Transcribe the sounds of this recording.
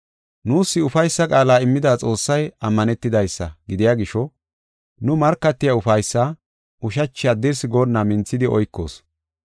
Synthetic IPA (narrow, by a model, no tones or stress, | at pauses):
nuːsːɪʊfɐjsːɐkʼaːlaːɪmːɪd̪aːt͡sʼo̞ːsːɐjɐmːɐnɛt̪ːɪd̪ɐjsːɐ̰ɡɪd̪ɪjaːɡɪʃɔ | nʊmɐɾkːɐt̪ːɪjɐʊfɐjsːa | ʔʊʃ̬ɐt͡ʃːɪjaːd̪ɪɾsɪɡoːnːɐmɪnt͡sːɪd̪ɪɔ̰jkːo̞̰ːs